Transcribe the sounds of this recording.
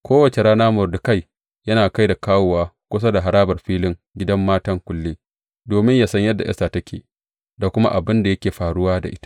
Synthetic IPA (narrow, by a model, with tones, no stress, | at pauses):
kʷoː˦wɐ˨t͡ʃe˨ɾaː˦naː˦mʊ˨rdʊ˨ka˦j | jɐ˦naː˨ka˦jda˨kaː˦wo˨waː˦kʷʊ˦s̬a˦da˨ɦa˨ɾaː˦bɐ˨rɸiː˦lɪ˦ŋ | ɡʲɪ˦dɐ˦mːaː˦tɐ˦ŋkʷʊ˨lːiː˦ | doː˨mɪ˦ɲjaː˦sɐ˦ɲjɐ˦dːa˨ʔɛ̰˦saː˨tɐ˦kʲḛː˨ | da˨kʷʊ˦ma̰˦ʔa˨bɪ˦nda˨jɐ˦kʲeː˨ɸaː˨ɽʊ˦waː˦da̰˨ʔɪ˦tḁ˦